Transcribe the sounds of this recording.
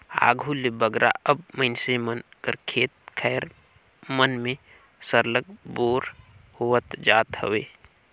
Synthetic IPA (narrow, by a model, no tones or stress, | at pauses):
a̰ːɡʱulebəɡɾʔa̰əbməɪnsemənkəɾkʰeːt̪̚kʰɛːɾ | mənmẽ | səɾləɡ̚boːɾhʊwət̪d͡ʒaːt̪hə̰ʋeː